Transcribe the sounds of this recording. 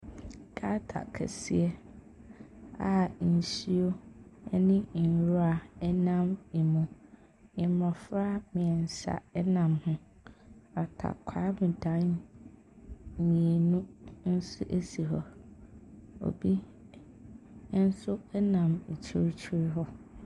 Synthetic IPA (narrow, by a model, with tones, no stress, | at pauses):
ɡ̥a˦tʰa̰˨kʰæ̰˨si˦e˦ | a˨n̩˨ɕi˦o˦ɛ̰˦nɪ̃˦˨n̩˨ɾu˦a˨ɛ˦nã˦mi˨mũ˨ | ɪ̃˨mɔ̃˨fɾa˦mɪ̃˨ɛ˨n̩˨sa̰˨ɛ˦nã˨mhʊ̃˦ | a˨tʰa̰˨kʷʰaː˦mɪ̃˨dã˨˦n˨ | mĩ˨e˨nũ˦n̩˦sʊ̰˦ʔe˦si˨ɦɔ˦ | o̰˨bi˦ | n̩˦sʊ˦ɛ˦nã˨m̩˨t͡ɕʰi˦ɾt͡ɕʰi˦ɾɪ˦ɦɔ˦